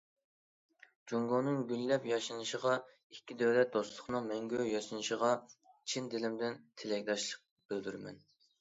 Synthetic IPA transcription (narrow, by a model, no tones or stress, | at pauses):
d͡ʒuŋɡonɨŋɡʲyllɛpjɑʃɨnɨʃəʁɑ | ikʲʰːid̪ɛwlɛt̪̚d̪oslˠʊχnɨŋmɛŋɡʲøjɑʃɨnɨʃəʁɑ | t͡ʃʰind̪ɪlɪmd̪ɪnt̪ʰelɛk̚ʲd̪ɑʃlˠəq̚ | b̥ɪld̪yɾmɛ̰n